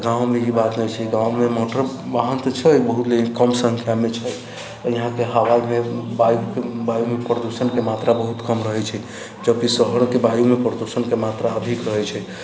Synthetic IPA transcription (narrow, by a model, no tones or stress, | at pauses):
ɡãw̃meibat̪nɛjt͡ʃʰɛɡãwmemoʈəɾ | baɦənt̪t͡ʃʰɛjbəɦut̪lekəmsəŋkʰjamet͡ʃʰɛ | jiɦãkeɦəwajmebajukebajumepɾəd̪usənkemat̪ɾabəɦut̪kəmɾəɦɛt͡ʃʰɛ | d͡ʒəb̚kisəɦəɽ̃kebajumepɾəd̪usənkemat̪ɾaəbʱikɾəɦɛt͡ʃʰɛ